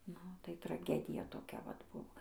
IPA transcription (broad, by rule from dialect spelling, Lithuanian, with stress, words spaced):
ˈnʊ tɐɪ trɐˈɡʲæːdʲɪjɛ toːˈkʲɛ ʋɐt ˈbʊʋoː